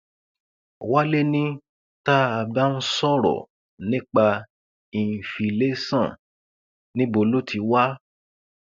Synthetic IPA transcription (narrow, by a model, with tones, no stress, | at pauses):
wa˦le˦nĩ˦ | ta˦a˧ba˦n̩˦sɔ˦ɾɔ̰˨ | nĩ˦k͡pa˧ | i˨fi˧le˦sã˦˨ | nĩ˦bo˧lo˦tʰi˧˦wa˦